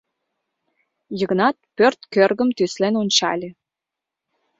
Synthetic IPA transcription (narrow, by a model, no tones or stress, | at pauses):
jə̆ɣnɑt̪̚pørt̪kørɣəmt̪yslenonʲt͡ɕɑ̰lʲe